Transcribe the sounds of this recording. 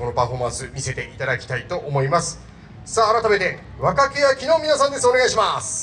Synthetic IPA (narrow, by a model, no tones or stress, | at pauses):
onopaɸo̞mãsɨmʲise̞t̪e̞ʔit̪ad̪akʲi̥t̪ait̪o̞ʔomo̞imasɨ̥ | saːɾat̪ame̞t̪e̞ | βakakejakʲino̞ːmʲinasãnd̪e̞sɨo̞neɡaiɕimasɨ̥